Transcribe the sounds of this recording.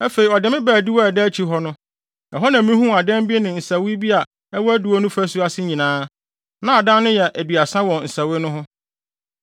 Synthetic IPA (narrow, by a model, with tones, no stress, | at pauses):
æ˦fe˨i˨ɔ˨dɪ˨mɪ̃˦bæː˨di˦wɔ˦˨dɛ˦t͡ɕʰi˦ɦɔ˦nʊ̃˦ | ɛ˨ɦɔ˦nã˨mɪ̃˦ĩ˦ɦũ˦a˨dɛ̃˦mbi˦e˦nɪ̃˨n̩˨sa˨wɪ˦bi˦a˨ | ɛ˦wɔ˦æ˦du˨wɔ˦nʊ̃˦fæ˦su˦a˦sɪ˦ɲĩ˨nãː˦ | nã˨a˨dã˦nʊ̃˦jɛ˨ʔæ˨dɥa˨sã˦wɔ̃˨n̩˨sa˨wɪ˦nʊ̃˦ɦʊ̃˦